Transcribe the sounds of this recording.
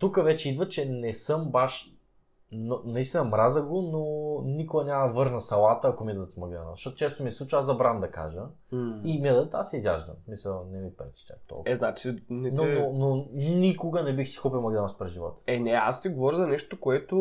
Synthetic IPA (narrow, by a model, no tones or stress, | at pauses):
t̪ukəvɛt͡ʃɛid̪vət͡ʃɛnɛsɤmbaʃ | nonɐist̪inɐmɾazəɡononikʊɡɐnʲamɐvɤɾnɐsɐlˠat̪əɐkomid̪ət̪mɐɡd̪a̰na̰zɐʃtɔt̪ot͡ʃɛst̪omiɛsˠut͡ʃazɐbɾand̪ɐka̰ʒə | imiəd̪ət̪asɛizja̰ʒd̪ə̰msmisəlˠnɛmipɾɛt̪i̥t͡ʃa̰kt̪ɔ̰lˠɛznat͡ʃinɛnonononikoɡənɛbixsi̥xupilˠmɐɡd̪anaspɾɛzʒivɔ̰t̪ə̥ɛnɛa̰st̪iɡovɔɾʲzɐnɛʃt̪okoɛt̪ʊ